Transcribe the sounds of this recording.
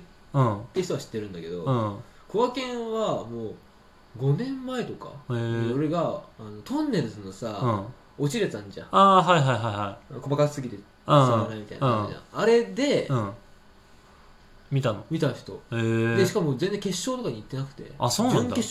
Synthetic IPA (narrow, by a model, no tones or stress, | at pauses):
ɯ̃t̪ːeçi̥t̪oaɕi̥t̪ːe̞ɾɯ̟nd̪ake̞d̪o̞ɯ̃koβakẽ̞ɰ̃βamoː | ɡo̞nẽ̞mːae̞t̪o̞ka̰esoɾe̞ɡaːno̞t̪ʰõnːe̞ɾɯ̟zɨnosaɯ̃ | o̞t͡ɕiɾesãɲd͡ʑã̰aːɦaiɦaiɦaiɦaiko̞bakaɨ̥sɨɡit̪e̞ | aanaimit̪aḭnãad͡ʑã̰aɾe̞d̪e̞ɯ̃ | mʲit̪ano̞mʲit̪açi̥t̪o̞̰ed̪e̞ɕi̥kamozend͡zeŋke̞ɕːo̞ːt̪o̞kaɲ̟iːt̪ːe̞nakɯ̟̥t̪e̞̰asoːnãnd̪e